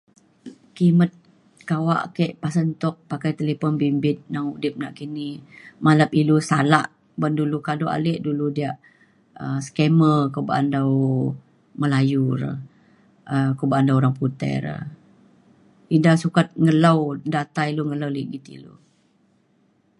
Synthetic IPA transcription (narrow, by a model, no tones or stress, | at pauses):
kimət̪̚ | kawa̰ʔkɛʔpasənt̪ɔk̚pakajt̪elepɔnbimbɪt̪̚naŋudɪp̚naʔkinimaləpilusalaʔ | bəndulukadoa̰leʔduludiaʔ | əskɛməkoba̰ʔandaw | məlajuɾə̰ | əkobaʔandawoɾaŋput̪ɛ̰rə̰ | idasukat̪̚ŋəlawdat̪ajluŋəlawliʔɡit̪ḭlṵ